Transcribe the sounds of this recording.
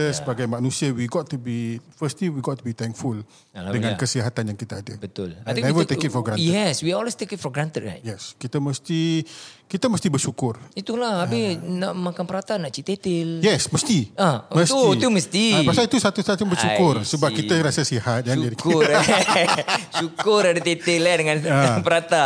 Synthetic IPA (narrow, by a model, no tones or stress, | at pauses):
əsəbaɡajmãnũsiawiɡɔt̪ːubifəst̪liwiɡɔt̪ːubit̪ɛŋkful | dəŋãnkəsiɦat̪anjaŋkit̪aːdəbət̪ʊ̰lãɛvət̪ekit̪̚fɔɡɾãtjɛswiɔlwest̪ekɪt̚fɔɡɾant̪əd̚a̰njɛskit̪aməst̪ikit̪aməst̪ibəʃukʊrit̪ulahabɪnaʔmakanpəɾat̪anaʔt͡ʃit̪et̪ɪljɛsməst̪iaməst̪it̪uməst̪ipasait̪usat̪ustat̪jaŋbəʃukʊrsəbap̚kiaɾasəsihat̪̚jad͡ʒadik | ʃukʊɾadat̪et̪ɪladəŋãnapəɾat̪a